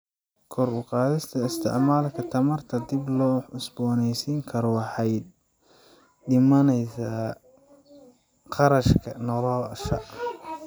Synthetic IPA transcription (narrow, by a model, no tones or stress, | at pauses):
kʰɔɾʊqɑːðɪst̪ʰɐɪst̪ʰɪ̰ʕmaːlkʰɐt̪ʰɐmɐrt̪ʰɐd̪ɪblɔːʊsbɔːnɛjsiːŋkʰɐɾɔɑħɑjd̪̚ | dɪmɐnɛjsa | qɑɾɐʃkʰɐnɔlɔːʃɐ̰ʔ